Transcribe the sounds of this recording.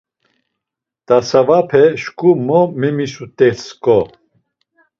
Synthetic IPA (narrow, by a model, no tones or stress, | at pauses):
t̪asavapʰɛʃkʼumɔmɛmisut̪ʼɛskʼɔ